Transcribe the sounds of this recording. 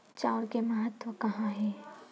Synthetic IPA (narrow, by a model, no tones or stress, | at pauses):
t͡ʃaːɾkemɐɦət̪wəkɐɦãɦɛː